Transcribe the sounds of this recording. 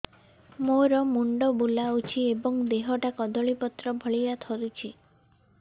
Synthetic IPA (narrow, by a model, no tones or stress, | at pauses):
moɾɔmuɳɖɔbulaut͡ʃʰiebɔŋd̪eɦɔʈakɔd̪ɔɭipɔt̪ɾɔbʱɔɭijat̪ʰɔɾut͡ʃʰi